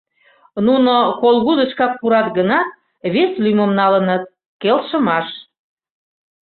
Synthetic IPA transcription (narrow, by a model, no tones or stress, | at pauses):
nunokolˠɣud̪əʃkɑk̚puɾɑt̪ɡənɑt̪̚ | βeslyməmnɑlənət̪̚ | kelʃəmɑʃ